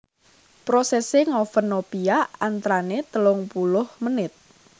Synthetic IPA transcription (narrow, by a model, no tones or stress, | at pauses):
pɾɔsɛseŋofənopiaant̪ɾanet̪əlʊŋpulʊhmənɪt̪̚